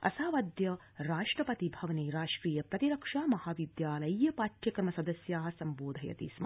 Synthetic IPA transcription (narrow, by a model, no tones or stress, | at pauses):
ɐ̰saːʋɐd̪jɐ | ɾaːʂʈɾɐpɐt̪ibʱɐʋɐniɾaːʂɾiːjɐpɾɐt̪iɾɐkʂaːmɐhaːʋid̪jaːlɐjjɐpaːʈjɐkɐɾmɐsɐd̪ɐsjaːɦɐsɐmboːd̪ʱɐjɐ̰t̪ḭsm